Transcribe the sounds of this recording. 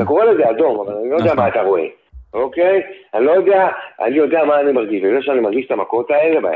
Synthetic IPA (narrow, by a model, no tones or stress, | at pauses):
tako̞ʁe̞le̞zeado̞mavalanilood̪eamaːt̪aʁo̞e̞̰ | o̞kejanilo̞jo̞de̞aʔa̰nijo̞de̞amaːnimaʁɡiʃlezeʃeanimaʁɡiʃe̥t̪amako̞t̪ae̞leba